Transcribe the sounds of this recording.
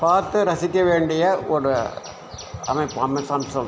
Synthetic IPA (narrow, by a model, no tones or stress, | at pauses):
paːɾt̪ɯɾɐsɪkʲːɐʋeːɳɖɪjɐɔɾɯ | ɐ̰mɐɪpːɐmɐsɐːmsɔl